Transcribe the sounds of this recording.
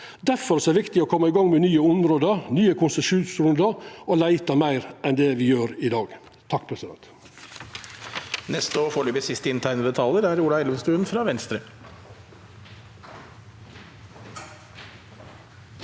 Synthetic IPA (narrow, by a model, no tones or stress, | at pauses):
d̪æfɔɾsɔæʋɪkt̪ɪoːkʰɔmːəɪɡɑŋmɛnyːəʊmɾoːd̪ənyːəkʰʊnsɛʃuːnsɾʉnd̪ɑʔolæɪt̪ɑmæɪɾɛnd̪eːʋɪjøːɾɪd̪ɑːɡ | t̪ʰɑkːpʰɾɛsɪd̪ɛ̰nt̪ | nɛst̪əɔfɔɭyːpəsɪst̪əɪnt̪ʰæɾnəb̪ət̪ʰɑləɾæɾuːlɑɛləmnst̪ʉːənfɾɑːʋɛnst̪ɾə